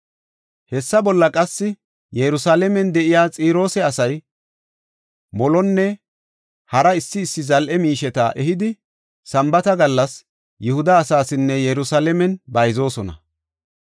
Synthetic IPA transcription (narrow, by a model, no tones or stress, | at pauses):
hɛsːɐbɔlːɐkʼɐsːɪ | jɛɾʊsaːlɛmɛnd̪ɛʔɪjaːt͡sʼiːɾo̞ːsɛɐsɐj | mɔlɔnːɛ | hɐɾɐɪsːɪːsːɪzɐlʔɛmiːʃɛt̪a̰ʔɛɦɪd̪ɪ | sɐmbɐt̪ɐɡɐlːɐs | jʊhʊd̪ɐːsaːsɪnːɛjɛɾʊsaːlɛmɛnbɐjzo̞ːsɔnɐ̰